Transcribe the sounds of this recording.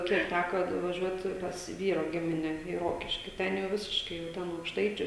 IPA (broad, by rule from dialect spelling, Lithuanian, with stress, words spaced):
ˈkʲiɛk ˈtʲækoː nʊʋɐˈʒʲuɔt pɐs ˈʋʲiːroː ˈɡʲɪmʲɪnʲɛ iː ˈroːkʲɪʃʲkʲɪ ˈtʲɛn jɛʊ ˈʋʲɪsʲɪʃkɐɪ jɛʊ ˈtʲɛn ɐʊkʃˈtɐɪt͡ʃʲʊ